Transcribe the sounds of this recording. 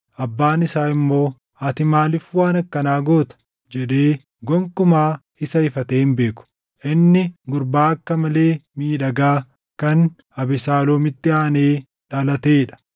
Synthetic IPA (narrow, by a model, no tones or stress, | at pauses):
ʔɐbːaːnɪsaːɪmːo̞ː | ɐt̪ɪmaːlɪfwaːnɐkːɐnaːɡo̞ːt̪ɐ̥ | d͡ʒɛᶑeː | ɡɔŋkʊmaː | ɪsɐhɪfɐt̪eːhɪnbe̞ːkʊ̥ | ʔɪnːɪɡʊɾbaːɐkːɐmɐle̞ːmiːᶑɐɡaː | kɐn | ɐbɪsaːloːmɪt̪ːɪaːneː | ᶑɐlɐt̪eːɪᶑɐ̥